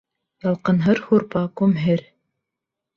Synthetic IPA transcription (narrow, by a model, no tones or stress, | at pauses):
jɑlˠqɤ̆nɦɤɾhuɾpɑkumɦɘɾ